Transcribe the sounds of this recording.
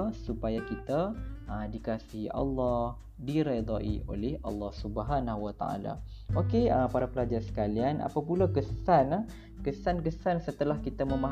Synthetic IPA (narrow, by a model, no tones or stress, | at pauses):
supajakit̪aədikasiɦiʔɑ̰lːɑh | diɾed̪aʔḭo̰lɛhʔɑ̰lːɑhsubəɦanahuwat̪a̰a̰la̰ | ʔokeəpaɾapəlad͡ʒarsə̥kalianʔa̰papulakəsana | kəsankəsansət̪əlahkit̪amə̃maɦ